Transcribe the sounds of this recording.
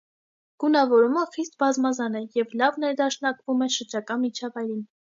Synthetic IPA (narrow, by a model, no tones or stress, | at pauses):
ɡ̥unɑvɔɾuməχist̪̚bɑzmɑzɑnɛjɛvlɑvnɛɾd̪ɑʃnɑkvumɛʃəɾd͡ʒɑkɑmit͡ʃʰɑvɑjɾin